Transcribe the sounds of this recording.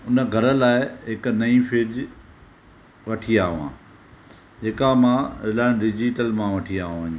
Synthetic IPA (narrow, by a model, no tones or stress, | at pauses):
ʊnə̆ɡʱɐɾə̆laːɪɦɪknɐĩfʰɪːɾd͡ʑ | ʋɐʈʰiaːɦʋãː | d͡ʑeːkamãːɪlaːɪnɖɪd͡ʑiʈəlmãʋɐʈʰiaːɦũʋəɲi